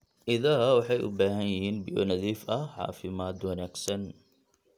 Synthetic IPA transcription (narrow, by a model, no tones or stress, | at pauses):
ʔɪðɐɐwɑħɑjʔʊ̰baːɦɐnjɪhiːnbɪjɔ̰nɐðiːfɐʕɑ̰ːfɪmaːd̪wɐnaːɡsɐn